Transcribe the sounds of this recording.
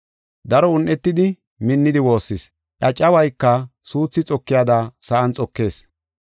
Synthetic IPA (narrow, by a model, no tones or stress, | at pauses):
d̪ɐɾɔʊnʔɛt̪ːɪd̪ɪ | mɪnːɪd̪ɪwo̞ːsːɪs | ʔɐt͡ʃʼːɐwɐjkːɐsuːt͡sːɪt͡sʼɔkːɪjad̪asɐʔɐnt͡sʼɔkːe̞ːs